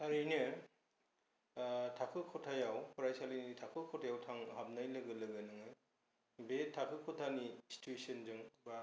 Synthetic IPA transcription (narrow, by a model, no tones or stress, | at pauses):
haɾinɯ | tʰakʰɯkʰɔtʰajawkʰɔɾajsalijnnitʰakʰɯkʰɔtʰajawtʰaŋɦab̚najlɯɡɯlɯɡɯnɯŋɯ | betʰːakʰɯkʰɔtʰanisi̥tʰuesɯnzɯŋba